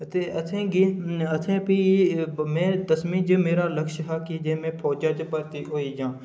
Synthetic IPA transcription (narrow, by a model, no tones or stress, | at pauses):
t̪eːət̪ʰẽːɡiət̪ʰẽːpiːmẽːt̪əsmiːd͡ʒəmeːɾaːləkʃɦaːkid͡ʒẽːmẽːpʰoːd͡ʒaːt͡ʃpəɾt̪iːɦoːiːd͡ʒãː